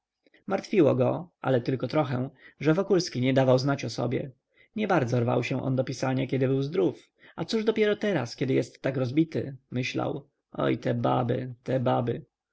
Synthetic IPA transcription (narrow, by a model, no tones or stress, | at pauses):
maɾt̪fʲiwɔɡɔʔa̰lɛt̪ɘlkɔt̪ɾɔxɛ̃ʐɛvɔkulskʲiɲɛd̪avawznat͡ɕɔsɔ̰bʲjɛ̰ | ɲɛbaɾd̪zɔɾva̰wɕɛ̃ʔɔ̰nd̪ɔpʲisaɲakʲɛd̪ɘbɘwzd̪ɾuf | at̪suʐd̪ɔpʲjɛɾɔt̪ɛɾa̰skʲɛd̪ɘjɛst̪ːakɾɔzbʲit̪ɘ̰mɘɕla̰w | ɔ̰jt̪ɛba̰bɘ̰t̪ɛbabɘ